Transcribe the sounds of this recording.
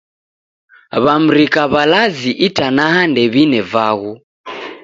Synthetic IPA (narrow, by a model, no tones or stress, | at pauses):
βam̩ɾikaβalaziʔitanaɦandɛβinɛvaɣu